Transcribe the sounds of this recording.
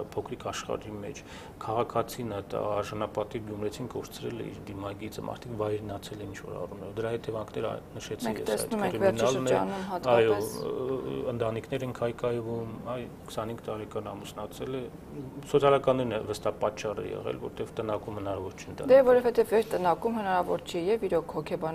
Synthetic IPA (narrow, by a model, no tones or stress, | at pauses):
pʰɔkʰɾikʰɑʃχɑ̰ɾimɛ̰t͡ʃʰ | kʰɑʁɑkʰɑt͡sʰinət̪ɑɾʒɑnɑpɑt̪ivɡjumɾɛt͡sʰinkɔɾt͡sʰɾɛlɛ̰ḭɾd̪imɑɡit͡səmʔɑ̰ɾt̪ʰikvɑjɾnɑt͡sʰɛlɛint͡ʃʰvɔ̰ɾɑ̰rumnɛɾɔvd̪əɾɑɦɛt̪ɛvɑŋkʰnɛɾə̰nəʃɛt͡sʰɛ̰sɑ̰jt̪ɛɾinɑlnɛnumɑt̪ɑjɔ | ənt̪ɑnikʰn̪ɛɾɛŋkʰɑjkɑjvumɑj | kʰsɑnhiŋɡt̪ɑɾɛkɑnɑmusnɑt͡sʰɛlɛ | sɔt͡sʰɑlɑkɑnːɛɾinɛvəst̪ɑpɑt͡ʃːɑrɛ̰jɛ̰ʁɛ̰lvɔ̰ɾt̪ɛvt̪ənɑkumhənɑɾɑvɔɾt͡ʃʰɛnt̪ɑ̰d̪ɛvɔɾɔvɛt̪ɛvvɛɾt̪ənɑkumɦənɑɾɑvɔɾt͡ʃʰɛjɛviɾɔkʰhɔkʰɛbɑn